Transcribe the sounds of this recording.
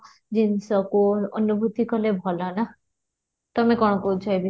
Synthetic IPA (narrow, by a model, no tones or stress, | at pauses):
d͡ʒinsɔkuɔnubʱut̪ikɔlebʱɔlɔna | t̪ɔmekɔɽ̃ɔkout͡ʃʰɔjbi